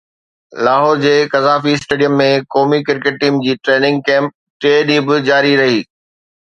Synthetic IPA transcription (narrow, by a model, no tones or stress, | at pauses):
laːɦɔːɾd͡ʑeːkɐzaːfiɪsʈeːɖijəmːẽkɔːmikɪɾkeʈ̚ːʈiːmd͡ʑiːʈɾeːnɪ̃ŋɡ̚kɛ̃ːmp̚ | ʈeːɗĩːbɪd͡ʑaːɾiɾɐɦiː